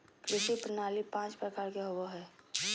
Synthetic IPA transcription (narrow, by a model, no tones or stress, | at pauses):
kɾɪʃipɾənaːlipãːt͡ʃpɾəkaːɾkeɦʊʋoɦɛː